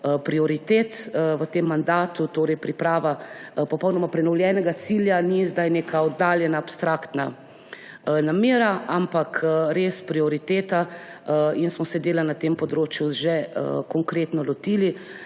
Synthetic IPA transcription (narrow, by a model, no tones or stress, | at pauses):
əpɾiɔɾit̪eːt̪ʋət̪emːand̪aːt̪ut̪oːɾɛjpɾipɾaːʋapɔpɔwnɔmapɾɛnɔwljɛːnɛɡat̪siːljanizd̪ajneːkaɔd̪ːaːljɛnaːpst̪ɾaːkt̪na | nameːɾaampakɾeːspɾiɔɾit̪eːt̪a | insmɔsɛd̪eːlanat̪empɔd̪ɾoːt͡ʃjuʒɛəkɔŋkɾeːt̪nɔlɔt̪iːli